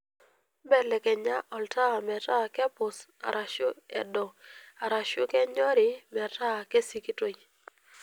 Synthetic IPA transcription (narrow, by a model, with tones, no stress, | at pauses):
bɛ˨lɛ˨kɛ˨ɲa˦ʔɔ˨lta˦˨mɛ˨ta˦kɛ˦pʊ˨sa̰˨ɾʔa˨ʃʊ˦ɛ̰˨dɔ˨a˨ɾa˨ʃʊ˦kɛ˦ɲɔ˦ɾɪ˦mɛ˨ta˦˨ke˦si˦ki˦to˨